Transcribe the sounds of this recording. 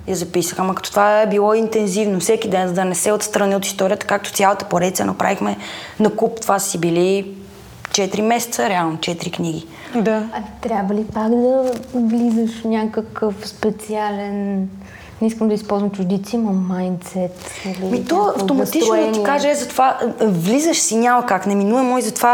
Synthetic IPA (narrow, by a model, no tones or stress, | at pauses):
jɐzɐpisəxamɐkɐ̥t̪ɔ̥t̪ovaɛbilˠɔint̪ɛnzivnofsɛkid̪ɛnzəd̪ɐnɛsɛot̪st̪ɾɐnɛot̪i̥st̪ɔɾʲiət̪ə̥kak̚t̪o̥tsʲjalˠət̪ə̥poɾɛt̪sʲə̰nɐpɾa̰vixmɛnɐkupt̪ovassibili | t͡ʃɛt̪iɾimɛsɛ̥t̪səɾɛalˠnot͡ʃɛt̪iɾikniɡ̟i | d̪aɐt̪ɾʲjabvəlipaɡd̪ɐvlizəʃfnʲakəkəfspɛt̪sialɛn | nɛiskəmd̪əispɔlˠzvəmt͡ʃʊd̪it̪simɐmajnt̪sɛt̪ilimit̪ɔɐft̪omɐt̪it͡ʃnod̪ɐt̪ikaʒɛɛzɐt̪ovavlizəʃsiɲʲamɐkaknɛminuɛmɔizɐt̪ova